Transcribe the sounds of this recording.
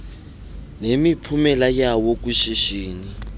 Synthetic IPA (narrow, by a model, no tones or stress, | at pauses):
nemipʰumɛlajawok̬uʃiʃiːni